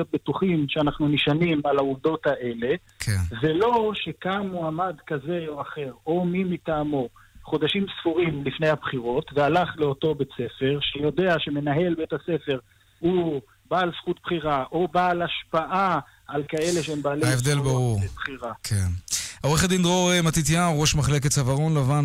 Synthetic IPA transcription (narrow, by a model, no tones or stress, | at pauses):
ot̚bet̪uχimʃeanaχnuniʃanimalauvd̪o̞t̪aʔe̞le̞ | kʰenvelo̞ʃe̞kamːuamad̪kaze̞o̞aχe̞ʁo̞mimit̪aːmo | χo̞d̪aʃimsfuʁimlifne̞jhabχiʁo̞tvealaχle̞oto̞bet͡se̞fe̞ʁʃejo̞d̪e̞aʃeme̞naɦe̞lbeetasefe̞ʁ | hu | baːlsχut̪̚bχiʁaʔobaːlaʃpaʔa | alkae̞leʃeembaːleaevd̪elbaʁuʁbχiʁakʰenʔoʁeχad̪ind̪ʁoʁemat̪it̪̬jaʁo̞ʃmaχlek̬etsavaʁo̞nlavan